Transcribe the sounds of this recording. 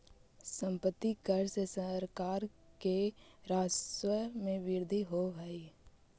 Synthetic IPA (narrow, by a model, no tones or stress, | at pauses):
sə̃mpət̪ːikəɾsesəɾkaːɾkeɾaːswəmẽʋɪɾd̪ʱiɦoɦəi